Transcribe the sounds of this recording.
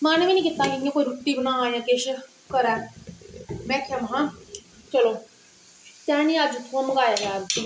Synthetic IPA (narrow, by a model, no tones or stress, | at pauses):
maːnːʋiːnĩːkɪt̪ːãːkɪŋjãkoːiɾuːʈ̪ːiːbənãaːjãːkeʃ | kəɾɛː | mɛ̃ːkʰjamɐɦãː | t͡ʃɐloː | t̪aːnĩːad͡ʒt̪ʰːuãməɡaːjaːɡaːɾ